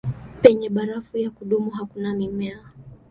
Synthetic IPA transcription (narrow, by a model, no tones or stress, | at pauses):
pɛɲɛɓaɾafujakuɗumuɦakunamimɛa